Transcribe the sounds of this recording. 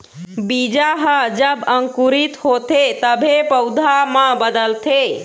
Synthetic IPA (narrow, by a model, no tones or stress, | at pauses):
bid͡ʒaɦəd͡ʒəbəŋkuɾit̪hot̪ʰet̪əbʱepəwd̪ʱaməbəd̪əlt̪ʰe